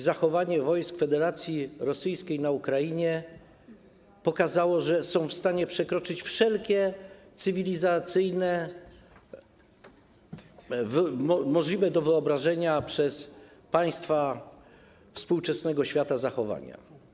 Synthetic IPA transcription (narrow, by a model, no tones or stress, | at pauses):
zaxɔvaɲɛvɔjskfɛd̪ɛɾat̪sʲjiɾɔsɘjskʲejnaukɾajiɲɛ | pɔkazawɔʐɛsɔ̃w̃fst̪aɲɛpʂɛkɾɔt͡ʂɘt͡ɕfʂɛlkʲɛt̪sɘvʲilʲizat̪sɘjnɛ | vmɔʐlʲivɛd̪ɔvɘɔbɾaʐɛɲapʂɛspaj̃st̪fa | fspuwt͡ʂɛsnɛɡɔɕfʲjat̪azaxɔva̰ɲa̰